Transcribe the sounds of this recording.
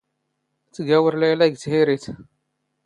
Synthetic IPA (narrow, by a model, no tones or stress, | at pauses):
t̪ːɡæwəɾəlʕlæɡt̪hiɾit̪